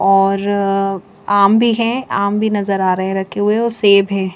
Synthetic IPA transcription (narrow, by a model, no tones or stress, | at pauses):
ɔːɾ | aːmbʱiɦɛ̃aːmbʱinɐzəɾaːɾɐɦɛ̃ɾɐkʰːeɦueoseːbʱɦɛ̃ː